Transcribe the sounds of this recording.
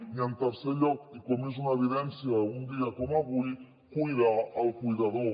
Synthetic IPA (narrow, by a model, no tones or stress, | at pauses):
ɲant̪aɾseʎɔkikomezunaeβiðɛnsjalɣund̪iakomaβuj | kujðaːlkujðaðo